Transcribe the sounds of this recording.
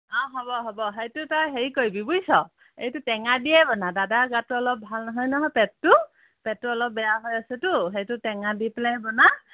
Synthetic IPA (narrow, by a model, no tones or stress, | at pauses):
ɔɦɔbɔɦɔbɔɦejtʊtɔjɦeɹikoɹibibujsɔ | ejtutɛŋadiɛbɔnadadaɡatuɔlɔp̚bʱalnɔɦɔjnɔɦɔjpɛttʊ | pɛt̚ːuɔlɔp̚bɛjaɦɔjasɛtʊɦejtʊtɛŋadipɛlaɛbɔna